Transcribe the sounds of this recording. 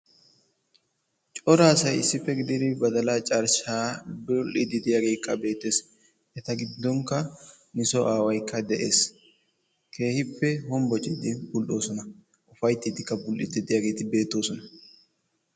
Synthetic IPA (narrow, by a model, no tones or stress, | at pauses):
t͡ʃʼɔɾaːsɐjɪ̰sːɪfːɛɡɪd̪ɪd̪ɪbɐd̪ɐlaːt͡ʃʼɐɾʃaːbʊlʔɪd̪ɪd̪ɪjaːɡe̞ːkːɐbe̞ːt̪ːe̞s | ɛt̪ɐɡɪd̪ːɔŋkːɐ | nɪsɔʔaːwɐjkːɐd̪ɛʔe̞̰ːs | kʰe̞ːhɪpːɛhɔmbɔt͡ʃʼɪd̪ɪbʊlʔo̞ːsɔnɐ | ʔʊfɐjt̪ːɪd̪ɪkːɐbʊlʔɪ̰d̪ɪd̪ɪjaːɡe̞ːt̪ɪbe̞ːt̪ːo̞ːsɔnɐ